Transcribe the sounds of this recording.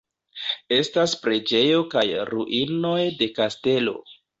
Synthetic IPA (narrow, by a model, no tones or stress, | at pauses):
e̞staspɾe̞d͡ʒe̞jo̞kajɾuʔino̞jde̞kaste̞lo̞̰